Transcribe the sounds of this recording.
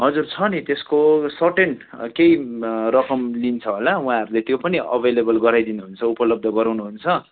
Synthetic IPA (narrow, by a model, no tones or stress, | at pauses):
ɦʌd͡zurt͡sʰʌnit̪eskosʌʈen | kejrʌkʌmlint͡sʰʌɦolaũãɦʌɾulet̪jopʌniʌ̰bʱelebʌlɡʌɾajd̪inuɦunt͡sʰʌupʌlʌb̚d̪ʱʌɡʌɾawnuɦunt͡sʰʌ